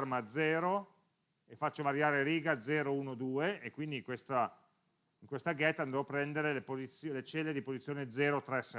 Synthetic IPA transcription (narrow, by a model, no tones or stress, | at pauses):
rmad̪zɛːɾo | efat͡ʃːovaɾjaːɾeɾiːɡad̪zɛːɾouːnod̪uːeekːwind̪iŋkwest̪a | iŋkwest̪aɡɛt̪ːand̪oɔpɾɛnd̪eɾelepozit̪sːjolet͡ʃɛlːed̪ipozit̪sːjoːned̪zɛːɾot̪ɾɛsɛ